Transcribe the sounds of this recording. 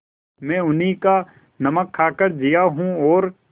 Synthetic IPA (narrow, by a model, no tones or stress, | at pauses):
mɛ̃ːʊnɦika | nɐməkʰːaːkəɾd͡ʒijaɦũɔːɾ